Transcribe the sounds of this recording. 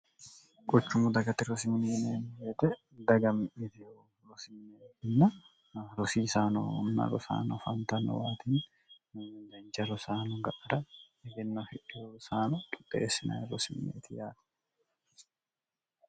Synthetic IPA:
ɡ̥ɔt͡ʃːʊmʊd̪ɐɡɐt̪ɪɾɔsɪmɪneːneːnbeːt̪ɛ | d̪ɐɡɐmʔɪt̪ɪ | ɾɔsɪmneːɪnːɐ | ɾɔsiːsaːnɔ̰ʊ̰nːɐ̰ɾɔ̰sa̰ːnɔfɐnt̪ɐnɔ̰waːt̪iːn | dɐnt͡ʃɐɾɔsaːnɔɡɐʔʼɐɾɐ | ɛɡɛnːɐfɪʔɛsaːnɔt̪ʼʊ̥tʼːḛːsːɪnɐ̰jɾɔsɪmnḛːt̪ʰɪjaːt̪ɛ̥

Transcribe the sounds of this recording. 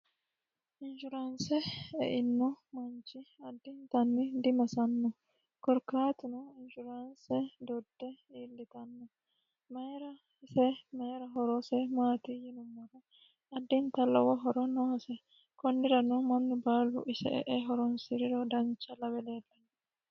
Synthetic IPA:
ʔɪnd͡ʒʊɾansɛɛʔɪnːɔmɐnt͡ʃːɪɐd̪ːɪnt̪ɐnːɪd̪ɪmɐsɐnːɔ | kɔɾkaːt̪ʊnɔɪnd͡ʒʊɾansɛd̪ɔd̪ːɛiːlːɪt̪ɐnːɔ | meɾɐ | sɛmeːɾɐɦɔɾɔsɛmaːt̪ijɪnʊmːɔɾɐ | ɐd̪ːɪnt̪ɐlːɐ̰wɔɦɔɾɔnɔɔsɛ | kɔndɪɾɐnɔmɐnːɪbaːlʊ̰ʔɪsɛ̰ʔɛ̰ʔɛɦɔɾɔnsɪɾɪɾɔd̪ɐnt͡ʃːɐlɐbɛleːlːɐnːɔ

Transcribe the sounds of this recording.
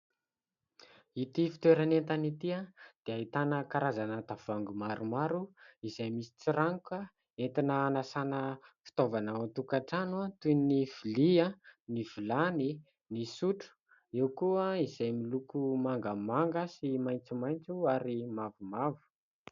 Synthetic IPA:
it̪ifi̥t̪weɾanent̪anit̪iad̪̥eaɦit̪anəkaɾazanat̪avuaŋɡumaɾʔumaɾuizajmisi̥t͡siɾaŋka | ent̪inəːnasanəfi̥t̪ovanaant̪ukaʈ͡ʂanuat̪unniv̥ilianiv̥ilani | nisuʈ͡ʂu̥ | ewkuəizajmilukumaŋɡəmaŋɡəsimajnt͡sumajnt͡suaɾimavumavu̥

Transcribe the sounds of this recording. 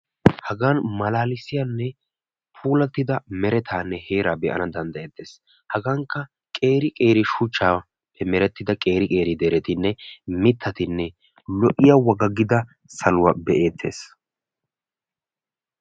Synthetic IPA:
hɐɡaːnmɐlaːlɪsɪjanːɛ | pʰuːlɐt̪ːɪd̪ɐmɛɾɛt̪ʰaːnːɛhe̞ːɾaːbɛʔɐ̰nɐd̪ɐnd̪ɐeːt̪ːe̞ːs | hɐɡaːŋkːɐ | kʼe̞ːɾɪkʼe̞ːɾɪʃʊt͡ʃːaː | pːɛmɛɾɛt̪ːɪd̪ɐkʼe̞ːɾɪkʼe̞ːɾɪd̪ɛɾɛt̪ɪnːɛmɪt̪ʰːɐt̪ɪnːɛ | lɔʔɪjɐwɐɡɐɡɪd̪ɐ | sɐlʊwɐbɛʔeːt̪ʰːe̞̰ːs

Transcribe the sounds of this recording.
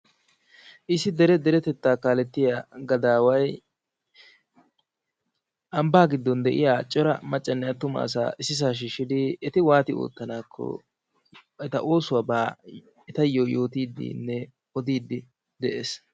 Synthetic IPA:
ʔɪsɪd̪ɛɾɛd̪ɛɾɛt̪ɛt̪ːaːkaːlɛt̪ːɪjaɡɐd̪aːwɐj | ʔɐmbaːɡɪd̪ːɔnd̪ɛʔɪ̰jaːt͡ʃʼɔɾɐmɐt͡ʃʼːɐnːɛjɐt̪ʊmɐ̰ɐ̰s̬a̰ːʔɪsːɪs̬aːʃ̬iːʃːɪd̪ɪːt̪ɪwaːt̪ɪo̰ːt̪ːɐnaːkʰːɔ̰ | ɛt̪ɐʔo̞ːsʊwaːbaː | ɛt̪ɐjːoːjo̞ːt̪iːd̪ːḭnːɛ | ɔd̪iːd̪ːɪ | d̪ɛʔeːs

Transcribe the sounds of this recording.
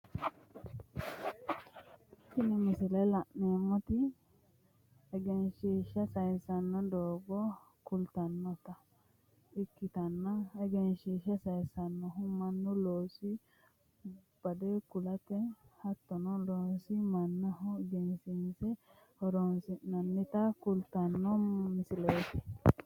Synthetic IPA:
ʃɪnɪmɪsɪlɛlɐʔneːmːɔt̪ɪ | ɛɡɛnʃiːʃɐsɐjsɐnːɔd̪oːɡɔ | kʊlt̪ɐnːɔt̪ɐ | ɪkːɪt̪ɐnːɐɛɡɛnʃiːʃɐsɐjsɐnːɔɦʊmɐnːɔloːsɪ | b̥ɐd̪ɛkʊlɐt̪ɛhɐt̪ːɔnɔloːnsɪmɐnːɐɦʊɡɛnsɪnsɛ | hɔɾɔnsɪnnɐnːɪt̪ɐkʊlt̪ɐnːɔmɪsɪlet̪ɪ̥

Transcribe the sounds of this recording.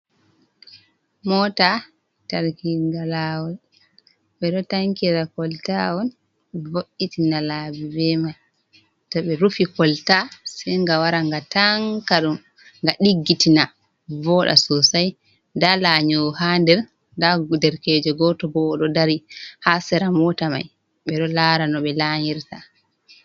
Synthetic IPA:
mɔta | taɾkiɡalawɔn | ɓɛɗɔtaŋkiɾakɔltawɔn | ɛvoʔːitinalabibɛmaj | tɔɓɛɾufikɔltasɛjŋɡawaɾaŋɡataŋkaɗum | ŋɡaɗiɡːitina | vɔɗa̰sɔsaj | dalaɲɔhandɛɾ | dadɛɾkɛd͡ʒɛɡɔtɔbɔːɗɔdaɾihasɛɾamɔtama̰j | ɓɛɗɔlaɾanɔɓɛlaɲiɾta

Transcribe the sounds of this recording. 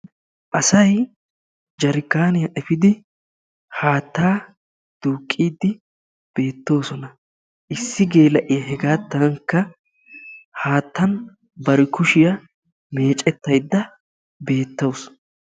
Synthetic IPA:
ʔɐsɐj | d͡ʒɐɾɪkːaːnɪjɐʔɛfɪd̪ɪ | haːt̪ːaː | d̪̥uːkʼːiːd̪ːɪ | b̥e̞ːt̪ːo̞ːsɔnɐ | ʔɪsːɪɡe̞ːlɐʔɪjɐɦɛɡaːt̪ːɐŋkːɐ | haːt̪ːɐn | bɐɾɪkʊʃɪjɐ | me̞ːt͡ʃʼɛt̪ːɐjd̪ːɐ | be̞ːt̪ːows

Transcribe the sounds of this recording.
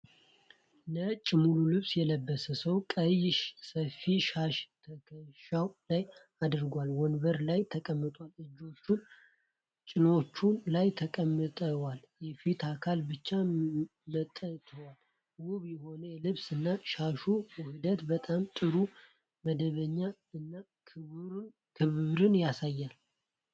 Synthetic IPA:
nət͡ʃʼːɪmululɨβsjɛləbːəsəsəwkʼəjɪʃsəfiʃaʃt̪ʰəkʰəʃawlaj | ad̪ɨɾɡalwɔnbəɾlajt̪ʰəkʼəmːɨt̪ʼwalɨd͡ʒːo̞t͡ʃːun | t͡ʃʼɪno̞t͡ʃːulajt̪ʰəkʼəmːɨt̪ʼəwal | jɛfit̪ʰakʰalbɨt͡ʃːamət̪ʼːət̪ʰəwal | wuβjɛho̞nəjɛlɨβsɨnːaʃaʃuwʊhɨd̪ət̪bət̪ʼamt̪ʼɨɾu | məd̪əβəɲːa | ɨnːa | kʰɨβɾn | kʰɨβɾɨnjasajːal

